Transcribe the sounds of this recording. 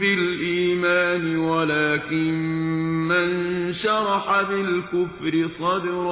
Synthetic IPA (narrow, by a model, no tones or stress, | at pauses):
bɪlʔiːmaːnɪwalaːkɪmmanʃɑɾˤɑħabɪlkʊfɾɪsˤɑd̪ɾ